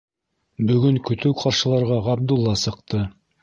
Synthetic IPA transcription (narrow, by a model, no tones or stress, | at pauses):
bɵ̆ɡɵŋkɵ̆t̪ɵwqʰɑɾʃɤ̆lˠɑɾʁɑʁɑb̚d̪ulˠːɑsɤ̆q̚t̪ɤ